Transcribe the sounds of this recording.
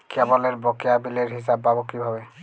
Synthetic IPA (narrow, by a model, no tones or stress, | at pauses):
kʰɛbɔleɹbɔkejabileɹɦis̬abːabɔkibʱabɛ